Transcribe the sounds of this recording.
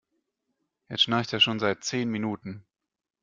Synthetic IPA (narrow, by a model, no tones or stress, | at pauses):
jɛʃnaɪçteːɐʃoːnzaɪt̚t͡seːnminuːtn̩